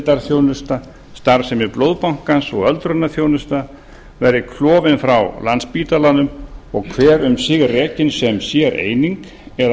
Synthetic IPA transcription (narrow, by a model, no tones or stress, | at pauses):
t̪aɾ̥θjownʏst̪a | st̪aɾsɛmɪðplowðpawŋ̥kansɔɣœlt̪ɾʏnːaθjownʏst̪a | vɛɾðɪkʰlɔːvɪnfɾawlanspiːt̪alanʏmɔɣkʰvɛːɾʏmsɪɣrɛːcɪnsɛmsjɛɾḛːjniŋk | ɛɾ